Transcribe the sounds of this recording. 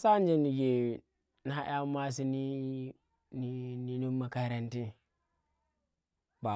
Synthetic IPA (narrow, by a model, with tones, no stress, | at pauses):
sa˦n˦d͡ʒe˦ni˨ɡe˨ | n˨˦a˦ʔj̰a˦ma˦s̬i˦ni˦ | ni˦ni˨nu˦mːa˨ka˨ɾa˦nti˦ | ba˨